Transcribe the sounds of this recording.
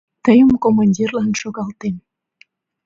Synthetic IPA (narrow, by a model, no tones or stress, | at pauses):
t̪əjəmkomanʲdʲirlanʃoɣɑlt̪en